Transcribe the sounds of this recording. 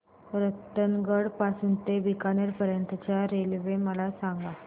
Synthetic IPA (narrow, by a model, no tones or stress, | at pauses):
ɾət̪ːənɡəɽpasuːnt̪ebikanəɾpəɾjənt̪ət͡ɕjaɾelʋeməlasãŋɡa